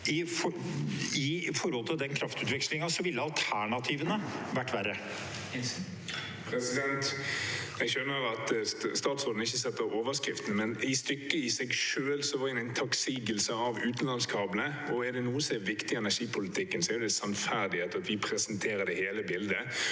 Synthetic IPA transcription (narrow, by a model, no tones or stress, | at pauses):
ɪf | ɪfɔɾhɔlt̪ʰɪld̪ɛnkʰɾɑft̪ʉːt̪ʋɪkslɪŋɑsɔʋɪlːəɑlt̪ʰæɳɑt̪ʰiːʋənəʋæʈːʋæɾə | pʰɾɛsɪd̪ɛnt̪ | ɛɡʃœnːəɾɑt̪st̪ɑːt̪soːd̪n̩ɪçːəsɛt̪ːəoːʋəskɾɪft̪n̩mɛnɪst̪ʏkːəɪsɛɡʂøːlsɔʋɑɾɪnɛɪnt̪ʰɑksiːɡəlsəɑʋʉːt̪nlɑnskʰɑːbənəɔæd̪ɛnuːəsɔɛʋɪkt̪ɪɛnæʂiːpʰʊlɪt̪ʰɪkːənsɔɛɾjʊd̪ɛsɑnfæʁd̪ɪheːt̪əɑt̪ʋɪpʰɾɛsənt̪ʰeːɾəɖ̪ɛheːləbɪld̪ə